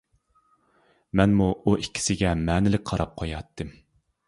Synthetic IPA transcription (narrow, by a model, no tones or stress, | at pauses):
mɛnmuuʔikʲʰːi̥sɪɡʲɛmɛːnɪlɪk̚ʲqʰɑɾɑp̚qʰojɑt̪ʰːɨm